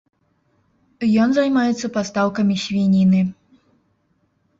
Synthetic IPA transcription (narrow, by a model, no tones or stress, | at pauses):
jɔnzajmajɛt̪sːɐpast̪awkɐmʲisʲvʲinʲinɨ